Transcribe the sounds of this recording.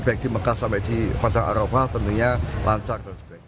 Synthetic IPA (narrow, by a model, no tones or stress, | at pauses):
b̥aɪk̚d̥̪i̤məkahsampɛʔd̪̥ipadaŋa̰ɾofaht̪ənt̪uɲalʔaɲt͡ʃard̥ansəb̥ak̚